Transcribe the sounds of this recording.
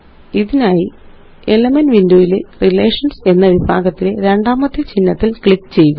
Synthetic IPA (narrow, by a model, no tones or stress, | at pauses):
iðinaːji | elɐmɐnʋindoːjilerileːʂɐnse̞nːɐʋibʱa̰ːɡɐt̪ːileɾe̞ɳɖaːmɐt̪ːet͡ɕinːɐt̪ːilkɭikːt͡ɕe̞jːuɣɐ